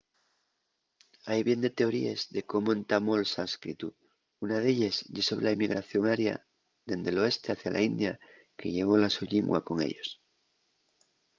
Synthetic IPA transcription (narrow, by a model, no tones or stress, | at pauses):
ajβje̞nd̪e̞t̪e̞o̞ɾiezðe̞ko̞moẽnt̪amo̞lsaskɾit̪u | unaðe̞ʎaszʝeso̞β̞ɾelaimiɣ̞ɾaθjo̞ŋaɾja̰ | ðe̞nd̪e̞lo̞e̞st̪e̞aθjalʔa̰ind̪ja | ke̞ʎe̞ɣ̞o̞lasuʎiŋɡwa̰ko̞ŋḛʎo̞̰s